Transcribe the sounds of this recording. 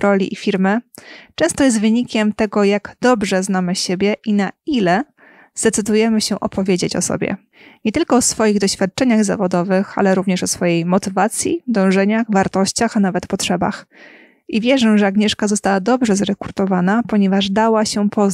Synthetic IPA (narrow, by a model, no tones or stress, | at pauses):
ɾɔlʲḭʔifʲiɾmɘt͡ʂɛ̃w̃st̪ɔjɛs̬t̪vɘɲikʲɛmt̪ɛɡɔjaɡd̪̥ɔbʐɛznamɘɕebʲjɛʔinailɛ | z̥d̪ɛt̪sɘd̪ujɛmɘɕɛ̃ʔɔpʰɔvʲjed͡ʑet͡ɕɔ̰sɔ̰bʲjɛ̰ | ɲɛt̪ɘlkɔːsfɔjiɣd̪ɔɕfʲjat̪̚t͡ʂɛɲaɣza̰vɔd̪ɔvɘxa̰lɛɾuvɲɛʂɔsfɔjejmɔt̪ɘvat̪sʲjḭd̪ɔ̃w̃ʐɛɲaxvaɾt̪ɔɕt͡ɕaxanavɛt̪pɔtʂɛba̰x | ʔivʲjɛʐɛʐɛaɡɲɛʂkazɔst̪awad̪ɔbʐɛzɾɛkuɾt̪ɔvanapɔɲɛvaʐd̪awaɕɛpʰɔ